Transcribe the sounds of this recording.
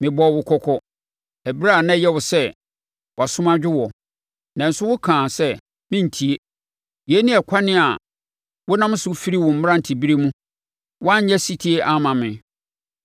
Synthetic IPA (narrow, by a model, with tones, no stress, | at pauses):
mɪ̃˨bɔ˨wʊ˨kʰɔ˦kʰɔ˦ | æ˨bi˦ɾa˦˨nã˦jɛ˦wʊ˨sɛ˦ | wʔa˨sʊ̃˦mã˦d͡ʑᶣɪ˦wɔ˨ | nã˨n̩˨˦sʊ˦wʊ˦kʰãː˨sɛ˦ | mɪ̃˦n̩˨tʰi˨e˦ | je˨˦nĩ˦ɛ˨kʷʰa˦nɪ̃˦a˨ | wʊ˦nã˦m˦sʊ˦fi˦ɾi˦wʊ̃˨m̩˦m˦ã˦n̩˨tʰi˨bi˦ɾe˦mũ˦ | wɔ˦a˦ɲ̩˦ɲɛ˦si˦tʰi˦e˦ʔa˦mã˨mɪ̃˨